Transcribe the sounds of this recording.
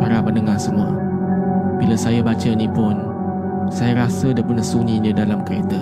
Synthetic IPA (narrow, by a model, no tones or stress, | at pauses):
paɾamənəŋasəmuə̰ | bilasajabat͡ʃənipʊn | sajaɾasədapənahsunĩnədalamkəɾet̪a